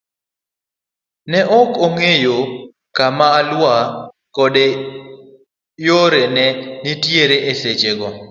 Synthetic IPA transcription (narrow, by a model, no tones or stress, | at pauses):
nɛʔɔkoŋejo | kamaːlwa | kɔde | joɾenɛnɪtjeɾeʔesed͡ʒeɡɔ